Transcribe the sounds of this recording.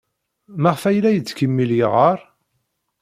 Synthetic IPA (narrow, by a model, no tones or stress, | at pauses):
maʁfæjlæjət͡sːkəmːiljʁəɾˤ